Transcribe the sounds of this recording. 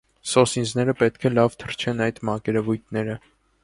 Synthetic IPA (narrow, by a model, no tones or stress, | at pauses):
sɔsind͡znɛɾəpɛt̪kʰɛlɑvt̪ʰəɾt͡ʃʰɛnɑjd̪mɑkɛɾɛvujt̪̚ʰnɛɾə